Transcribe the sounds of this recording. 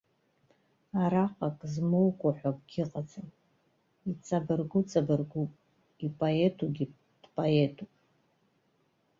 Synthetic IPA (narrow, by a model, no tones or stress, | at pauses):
aɾaqʼakʼzmowkʷʰaħʷabɡʲɪqʼat͡sʼɨn | it͡sʼabɨrɡʷʊt͡sʼabɨrɡʷupʼ | ipʼoetʰuɡʲi | d̥pʼoetʰupʼ